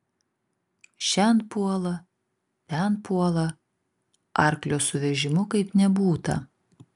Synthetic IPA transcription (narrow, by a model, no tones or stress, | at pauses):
ʃʲɛnt̪puɔlˠɐ | t̪ʲɛnpuɔlˠɐ | ʔɑˑɾklʲoːsʊʋʲɛʒʲɪmʊkɐɪpnʲɛbuːt̪ɐ̰